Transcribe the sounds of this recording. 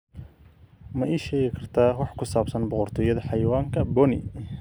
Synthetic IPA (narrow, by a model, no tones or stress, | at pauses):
mɐʔɛjʃɛːɣɪkʰɐrt̪ʰaːwɑħkʰʊsaːbsɐnbɔqʊrt̪ʰɔːjɐðɐħɑjwaːŋkʰɐbɔnɪ̰